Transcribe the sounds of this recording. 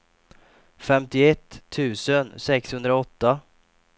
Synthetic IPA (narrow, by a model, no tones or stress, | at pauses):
fɛmt̪ɪɛt̪ʰːʉ̟ːsənsɛkshɵnd̪ɾaɔt̪ːa